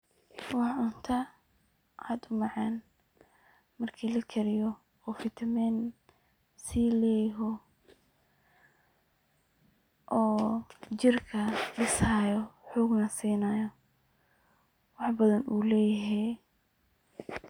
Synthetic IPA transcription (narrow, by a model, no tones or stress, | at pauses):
wɑħʕʊnt̪ʰɐ | ʔa̰ːd̪ʊmɑʕɑːn | mɐrkʰiːlɐkʰɛɾɪjɔ | ɔːfɪt̪ʰɐmɛn | siːlɛːjɦɔ | ʔɔːt͡ʃɪrkʰɐɖɪsaːjɔħɔːɡnɐsiːnaːjɔ | wɑħbɐðɐnʔuːlɛːjɐɦɛj